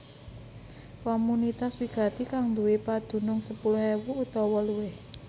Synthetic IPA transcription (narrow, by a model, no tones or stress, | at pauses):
kɔmunit̪aswiɡ̥a̤t̪ikaŋd̪uwɪpad̪̥ṳnʊŋsəpulʊhɛwuːt̪ɔwɔluwɪh